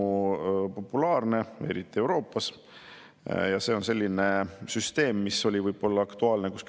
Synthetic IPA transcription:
po̞pːˑulɑːrne̞ḛɾit̪ˑːie̞wɾo̞ːpːˑɑs | jɑse̞ːo̞nse̞lʲːine̞syst̪e̞ːmːiso̞lʲivɤjbo̞lːɑɑkt̪uɑːlnekusk

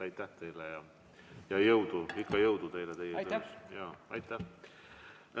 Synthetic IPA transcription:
ɑjt̪ːæht̪e̞jlɛjɑ | jɑjɤwd̪̥uikːɑjɤwd̪̥ut̪e̞jlɛt̪e̞jet̪øsjɑːɑjt̪ːˑæh

